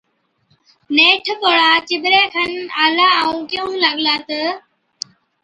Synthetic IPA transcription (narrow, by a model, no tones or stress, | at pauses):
neːʈʰpoɽaːt͡ʃɪbɾeːkʰənaːlaːəũːkɪjõːləɠlaːt̪ə